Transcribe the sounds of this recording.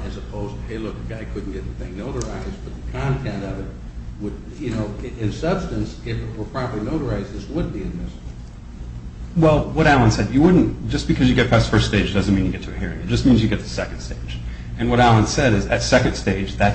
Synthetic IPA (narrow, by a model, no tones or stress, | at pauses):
ɨzəpʰoʊztɨheɪlʊk̚ɨɡaɪkʰʊdⁿn̩ɡ̥ɛtðθɪ̃ŋnoʊɾə˞aɪzb̥ʌt̪̚ðɨkʰɑ̃ntʰɛ̃ntʌvɨt̚ | wəd | jɨnoʊɪ̃nsʌb̥stɨ̃nsɪfɨt̚wə˞pʰɹ̥ɑ̃mplinoʊɾə˞aɪzðɪswəd̚biɨ̃nmɪsb̩ˠ | wɛlˠwʌɾælˠə̃nsɛdjɨwʊdⁿn̩td̥ʒ̥ʌsb̥ɨkʰʌzjɨɡɛt̚fʰæstfɜ˞ststeɪd͡ʒdʌzɨ̃nmĩnjɨɡɛtʰɨɨhɪɹɪ̃ŋɨt̚d̥ʒ̥ʌsmĩnzjɨɡɛt̪̚ðɨ̥sɛkn̩̥steɪ̥d͡ʒ | ɨ̃nwʌɾælˠə̃nsɛɾɨzɨtsɛkɨ̃ndsteɪd͡ʒðɨt